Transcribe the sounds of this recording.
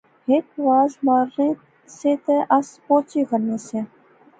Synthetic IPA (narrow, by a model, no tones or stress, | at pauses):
hɪkʋaːzmaːɾːẽː | seːt̪eʔɐspoːt͡ʃikəɾneːseː